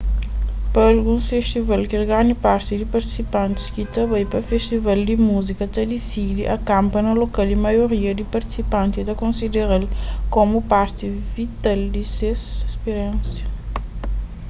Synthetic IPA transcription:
pɐːlɡũsfest̪ivalkelɡaɲipaɾt̪id̪ipɐɾt̪i̥sipãnt̪i̥skit̪ɐbajpɐfest̪ivald̪imuzikɐt̪ɐd̪isid̪iʔɐkãmpɐnɐlokald̪imɐjoɾiɐd̪ipɐɾt̪i̥sipãnt̪it̪ɐkõnsid̪eɾalkomupaɾt̪ivit̪ald̪isesespeɾɛ̃nsjɐ

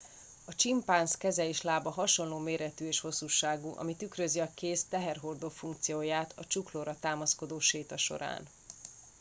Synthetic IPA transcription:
ɒt͡ʃimpaːnskɛzɛeːʃlaːbɒɦɒʃo̞nloːmeːɾɛt̪yeːʃho̞sːuːʃaːɡuʔɒ̰mit̪ykrøziɒkeːst̪ɛɦɛrɦo̞rd̪oːfuŋk̚t̪sijoːjaːt̪ʰɒt͡ʃukloːɾɒt̪aːmɒsko̞d̪oːʃeːt̪ɒʃo̞̰ɾa̰ːn

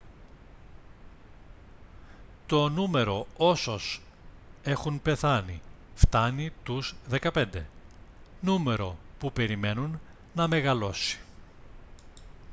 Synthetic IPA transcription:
t̪o̞nume̞ɾo̞o̞so̞s | e̞xunpe̞θɐnḭ | ft̪ɐnit̪uzðe̞kɐpe̞nd̪e̞̰ | nume̞ɾo̞pupe̞ɾime̞nunː | ɐme̞ɣɐlo̞si̥

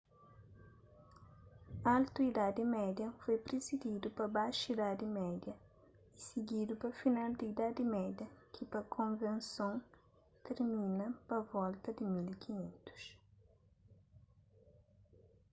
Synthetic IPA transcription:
alt̪uid̪ad̪ɪmɛd̪jɐfojpɾɪzid̪id̪upɐbajʃid̪ad̪ɪmɛd̪jɐ | isɪɡid̪upɐfinald̪ɪid̪ad̪ɪmɛd̪jɐkʰɪpɐkʰõnvẽnsõ | t̪eɾmĩnɐpɐvɔlt̪ɐd̪ɪmilikiɲẽnt̪u̥ʃ

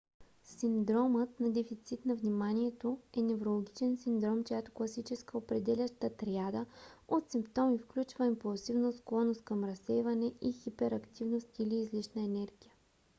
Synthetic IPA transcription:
simd̪ɾɔmət̪nɐd̪ɛfit̪sit̪nɐvnimaniɛt̪oɛnɛvɾolˠoɡʲit͡ʃɛnsind̪ɾɔmt͡ʃojat̪o̥klˠɐsit͡ʃɛskəopɾɛd̪ɛlʲəʃt̪ət̪ɾjad̪əot̪simpt̪ɔmifklʲut͡ʃvəimpulˠsivnosklˠɔnost̪kɐmɾɐsːɛjvɐnɛʔixipɛɾɐkt̪ivnost̪iliːzlit͡ʃnəɛnɛɾɡʲijə

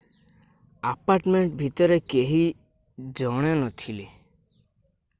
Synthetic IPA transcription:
apaɾʈmeɳʈbʱit̪ɔɾekeɦi | d͡ʒɔɽ̃enɔt̪ʰile

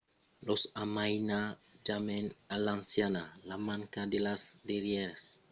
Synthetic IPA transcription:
losamajnad͡ʒamenalansjanalamãŋkad̪elasdiɾjeɾas

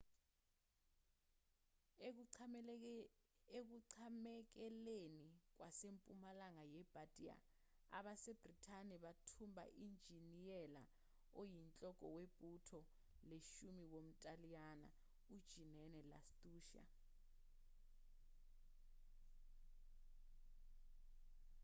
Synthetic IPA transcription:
ek̬uǀʰamɛk̬ɛlenik̬wasempʼumalaŋajɛb̥ʱatʼia̰ | a̰ɓaseb̥ritʰaniɓatʰumbʱa̰ʔind͡ʒʱinijɛla | ojint͡ɬʼɔkʼɔ̰web̥ʼʱutʰɔ | leʃumiwom̩tʼalijana̰ | ud̥ʒ̥ʱinɛnɛla̰stʼuːʃa̰

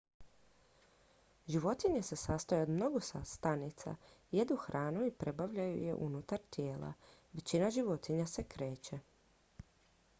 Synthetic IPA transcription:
ʒiʋo̞t̪iɲese̞saːst̪ajeod̪mno̞ɡosast̪anit̪sa̰jed̪uxɾʔaːnuipɾe̞baʋʎajṵje̞̰ʔṵnut̪aɾt̪jeːla̰ʋe̞t͡ɕinaʒiʋo̞t̪iɲase̞kɾe̞ːt͡ɕe̞

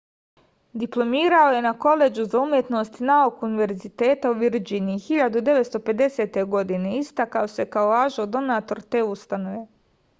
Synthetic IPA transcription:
d̪iplˠo̞miːɾao̞je̞nako̞le̞d͡ʑuzaumje̞t̪no̞st̪naokuniʋe̞ɾzit̪e̞ːt̪auʋiɾd͡ʑiniːxiʎad̪ud̪e̞ʋet̪st̪o̞pe̞d̪e̞se̞ːt̪e̞ɡo̞d̪ine̞ist̪akao̞se̞kaolaːʒod̪o̞naːt̪o̞ɾt̪e̞ːust̪ano̞ʋe̞

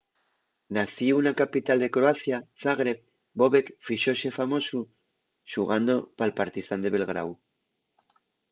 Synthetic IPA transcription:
naθiunakapit̪ald̪e̞kɾoaθjaθaɣɾep̚ | bo̞βekfiʃo̞sefamo̞su | ʃuɣand̪o̞palpaɾt̪iθand̪e̞βe̞lɣɾa̰w

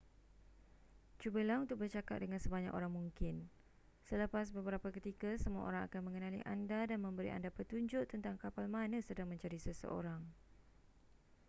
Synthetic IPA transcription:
t͡ʃubəlaunt̪ʊk̚bərt͡ʃaka̰t̪̚dəŋansəbaɲa̰ko̰ɾaŋmũŋkɪn | sələpas̬bəbəɾapakət̪ikasəmũa̰ʔo̰ɾaŋa̰kanmə̃ŋənãlḭʔa̰ndadanmə̃mbəɾḭʔa̰ndapət̪uɲd͡ʒʊʔt̪ənt̪aŋkapalmãnə̃sədaŋmə̃ɲt͡ʃaɾisəsə̰ʔo̰ɾaŋ

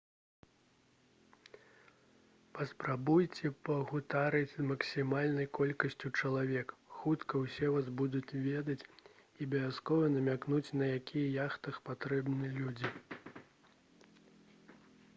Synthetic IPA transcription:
pɐspɾabujt͡sʲɛpɐɣut̪aɾɨt͡sʲzmɐksʲimalʲnɐjkɔlʲkɐsʲt͡sʲut͡ʂɐlˠavʲɛkxut̪kɐwsʲɛvazbud̪ut͡sʲvʲɛd̪ɐt͡sʲibʲɐvʲaskɔvɐnɐmʲaknut͡sʲnɐjakʲʰijɐjaxt̪ɐxpat̪ɾɛbnɨlʲud͡zʲi

